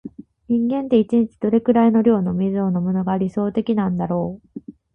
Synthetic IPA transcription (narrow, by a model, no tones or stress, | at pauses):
ɲ̟ĩŋɡẽ̞nt̪e̞it͡ɕiɲ̟it͡ɕi̥d̪̥o̞ɾe̞kɯ̟ɾaino̞ɾʲo̞ːno̞mʲizɨo̞no̞mono̞ɡaːɾʲiso̞ːt̪e̞kʲinãnd̪aɾo̞ː